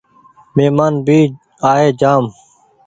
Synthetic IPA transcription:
meːmaːnbiː | aːeːd͡ʒaːm

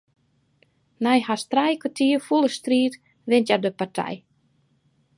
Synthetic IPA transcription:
nɛjhastrɛjkatʰiəfulˠəstriːt | ʋɪntjadəpartʰɛ̰j

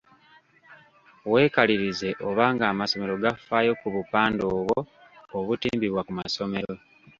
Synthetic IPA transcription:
we̞ːkaliɾize̞ʔo̞βaːŋɡaːmaso̞me̞ɾo̞ɡafaːjo̞kuβupaːndo̞ːβwoː | βutḭːmbiβwakumaso̞me̞ɾo

